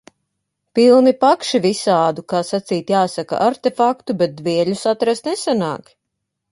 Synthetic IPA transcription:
pilˠnipakʃivisaːd̪ukaːsat̪siːt̪jaːsaka̰ʔaɾt̪efakt̪ubet̪̚d̪viɛʎʲusat̪ɾast̪nesana̰ːk

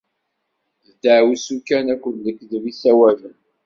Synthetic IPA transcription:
ðəd̪əʕwisukænækʷːənðəkːðvisæwævən

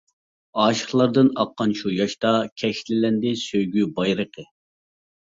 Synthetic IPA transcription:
ɑːʃə̥χlˠɑɾd̪ɨnɑqːɑnʃujɑʃt̪ɑkʲʰɛʃlɪlɛnd̪ɪsøjɡʲybɑjɾəqʰə

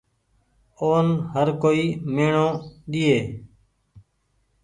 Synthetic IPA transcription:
oːnɦəɾkoːiːmeːɳõːɗɪeː

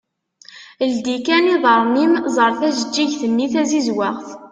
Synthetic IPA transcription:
əld̪ikæniðˤəɾˤnimzˤəɾˤθæsəd͡ʒːiʝθənːiθæzizwæʁθ

